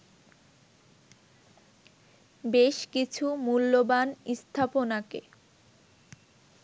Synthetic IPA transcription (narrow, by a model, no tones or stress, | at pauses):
beʃkit͡ɕʰumulːobanist̪ʰaponakḛ